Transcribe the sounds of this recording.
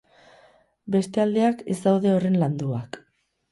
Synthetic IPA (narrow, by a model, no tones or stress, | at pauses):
be̞st̪e̞ald̪e̞akezd̪awð̞e̞o̞re̞nland̪uak